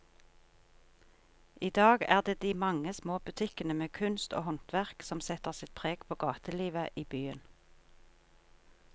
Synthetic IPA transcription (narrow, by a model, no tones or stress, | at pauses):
ʔiːd̪ɑːɡæːʁd̪eːd̪iːmɑŋəsmoːbʉt̪ʰɪkənəmeːkʰʉnst̪o̰ːhɔnt̪ʰʋæʁksɔmsɛt̪əʁsɪt̪̚pʰʁeːɡ̥pʰoːɡɑːt̪əliːʋəʔiːbyːən